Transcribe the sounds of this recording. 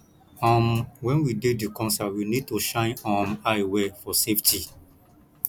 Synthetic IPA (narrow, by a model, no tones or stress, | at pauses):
ãmwɛ̃nwidedikɔ̃nsawinid̚toʃãɪ̃nɔ̃majwefɔseftʰi